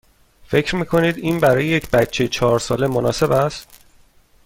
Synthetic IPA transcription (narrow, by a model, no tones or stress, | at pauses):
fe̞cʰɾmiːkʰo̞niːd̪iːnbæɾɒːjejecʰbæt̪t͡ʃʰejt͡ʃʰɒːɾsɒːle̞monɒːse̞bæst̪